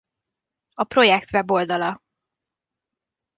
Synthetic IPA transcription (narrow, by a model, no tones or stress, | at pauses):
ɒpro̞jɛkt̪vɛbo̞ld̪ɒlɒ